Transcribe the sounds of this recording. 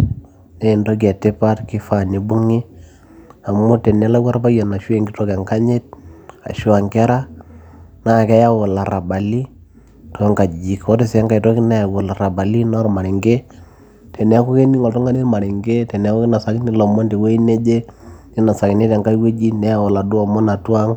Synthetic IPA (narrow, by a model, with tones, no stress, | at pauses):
ne˦i˨ndo˦ɡ̬a˨te˦pa˦tki˦fa˦ni˨bu˦ŋi˦ | a˨mo˦tɛ˨nɛ˦la˦kwa˦ɾpa˦ja˨na˨ʃe˨ŋɡi˦tɔ˦kɛ˨ŋka˦ɲe˦t̚a̰˨ʃu˦a˨ŋkɛ˦ɾa˦ | na˦˨kɛ˦ja˦wɔ˨la˨ɾa˨ba˨li˦ | tɔ˨˦ŋka˨d͡ʒi˨kɔ˦ti˦sɛ˦ŋka˨i˨tɔ˦ki˦na˦ja˨wʊ˨la˨ɾa˨ba˨li˦nɔ˦ɾma˨ɾi˨ŋɡe˦ | tɛ˨nɛ˨˦a˦ku˦ke˦ni˦ŋɔ˨ltɔ˦ŋɡa˦ni˦ɾma˨ɾi˨ŋɡe˦tɛ˨n˨˦ko˦kna˨sa˨˦ki˦ni˦lɔ˨mɔ˦nte˨we˦i˦ne˦d͡ʒe˦ɲi˦na˨sa˨ki˨ne˦tɛ˨ŋka˦we˦d͡ʒi˦nɛ˦a˨wɔ˨la˨du˦a˨mɔ˦na˨twa˦ŋ